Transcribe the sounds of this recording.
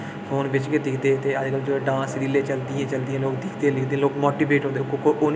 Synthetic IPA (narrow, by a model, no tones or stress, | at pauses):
fʰoːnbɪt͡ʃked̪ɪkʰd̪eːt̪eːəd͡ʒkəld͡ʒoẽɖãːsɾiːleːt͡ʃəld̪iːɛ̃ːt͡ʃəld̪iãːloːkd̪ɪkʰd̪eːlɪkd̪ẽloːkmoːʈiːbeːʈɦõnd̪ekokoʔʊn